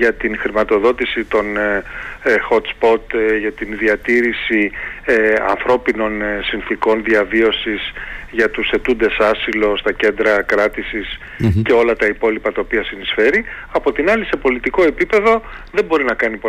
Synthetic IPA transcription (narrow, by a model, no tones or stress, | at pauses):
ʝɐt̪inxɾimɐt̪o̞ðo̞t̪isit̪o̞n | xo̞t̪spo̞t̪ʝɐt̪inðiɐt̪iɾisi | ɐ̰nθɾo̞pino̞nsinθiko̞nðiɐvio̞sizʝɐt̪use̞t̪und̪e̞sɐsilo̞st̪ɐce̞nd̪ɾɐkɾɐt̪isis | ce̞o̞lɐt̪ɐipo̞lipɐt̪ɐopiɐsinisfe̞ɾiɐpo̞t̪inɐlise̞po̞lit̪iko̞e̞pipe̞ðo̞ðe̞bo̞ɾinɐkɐnipo